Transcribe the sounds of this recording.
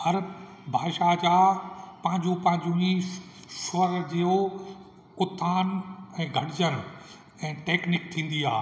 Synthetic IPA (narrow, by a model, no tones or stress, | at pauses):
hɐɾ | bʱaːʃad͡ʑaːpɐ̃ɦɪ̃ɲd͡ʑũpɐ̃ɦɪ̃ɲd͡ʑũĩ | ʃʊəɾd͡ʑiːo | ʊt̪ʰaːnɛ̃ːɡʱɐɽɪd͡ʑənʊ̆ | ɛ̃ːʈeːknɪk̚t̪ʰĩːn̆d̪iaː